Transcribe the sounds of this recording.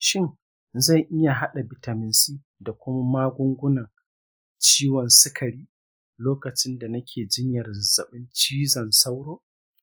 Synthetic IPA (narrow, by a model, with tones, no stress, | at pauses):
ʃɪ˦˨ŋ | za˦˨jʔɪ˦ja˨ɦa˦ɗa˨bɪ˨ta˨mɪ˨˦nsiː˦ | da˨kʷʊ˦ma˦maː˦ɡʷʊ˦ŋɡʷʊ˦nɐ˨ŋ | t͡ʃiː˦wɔ˨nsɪ˦kʰɐ˨ɽiː˦ | loː˦kɐ˨t͡ʃɪ˦nda˨nɐ˦kʲʰeː˨d͡ʒɪ˦ɲjɐ˨rzɐ˨ɓɪ˦nt͡ʃiː˦zɐ˨nsa˦wɽoː˦